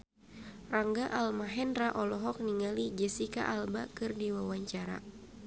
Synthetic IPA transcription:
raŋɡaʔalmaɦɛndraʔɔlɔɦɔk̚niŋalid͡ʒɛsika̰ʔalba̰kɨrdiwawaɲt͡ʃaɾa̰

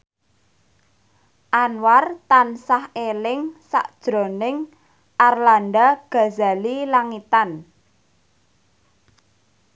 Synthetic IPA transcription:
ʔanwart̪ansahelɪŋsa̰ʔd̥ʒ̥ɾo̤nɪŋ | ʔarlandaɡ̥a̤za̤lilaŋit̪an

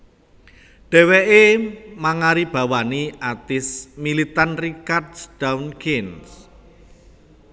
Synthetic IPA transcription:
ɖ̥ɛ̤wɛʔemaŋaɾib̥ä̤waniat̪ɪsmilit̪anrikardsd̥awunkʰins

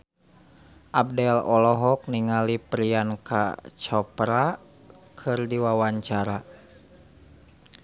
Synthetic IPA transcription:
ʔab̚dɛlɔlɔɦɔk̚niŋalipɾianka̰t͡ʃɔpɾa | kʰɨrdiwawaɲt͡ʃaɾa

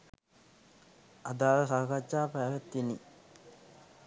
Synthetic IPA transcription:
ad̪aːləsakat͡ʃːaːpæːʋæt̪ːini

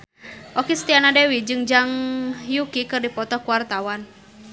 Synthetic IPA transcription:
ʔokist̪ianadewid͡ʒɨŋd͡ʒaŋjukikɨrdipɔt̪ɔhkuwart̪awan

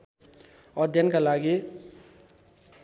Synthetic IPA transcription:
ʌd̪ʱjʌnkalaɡi

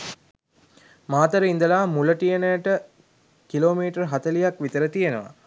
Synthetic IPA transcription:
maːt̪əɾəind̪əlaːmuləʈijənəjəʈə | kiloːmiːʈərɦat̪əlijakʋit̪əɾət̪ijenəʋa̰

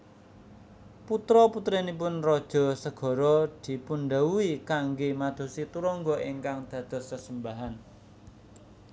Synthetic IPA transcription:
put̪ɾɔput̪ɾenip̬ʊnrɔd̥ʒ̥ɔ̤səɡ̥ɔ̤ɾɔd̪̥i̤punɖ̪auikaŋɡemad̪̥o̤sit̪uɾɔŋɡɔʔiŋkaŋd̪̥ä̤d̪̥ɔ̤səsəmbaɦan

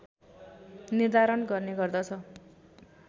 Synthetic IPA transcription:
nird̪aɾʌnɡʌrneɡʌrd̪ʌt͡sʰʌ

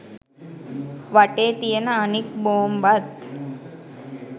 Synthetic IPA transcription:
ʋaʈet̪ijenaənikbombat̪

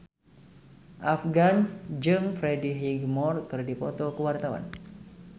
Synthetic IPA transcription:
ʔafɡand͡ʒɨŋfɾediɦiɡmɔrkɨrdipɔt̪ɔkəwart̪awa̰n

